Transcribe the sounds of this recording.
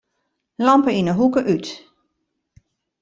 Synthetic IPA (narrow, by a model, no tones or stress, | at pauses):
lɑmpəinəɦukəʔyt